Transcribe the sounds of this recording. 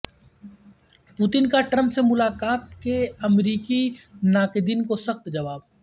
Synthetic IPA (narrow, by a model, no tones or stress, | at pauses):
pʊt̪ɪnkaʈɾə̃mpsemʊlaːkaːt̪keɐmɾiːkinaːked̪ɪnkosɐxt̪d͡ʒɐʋaːb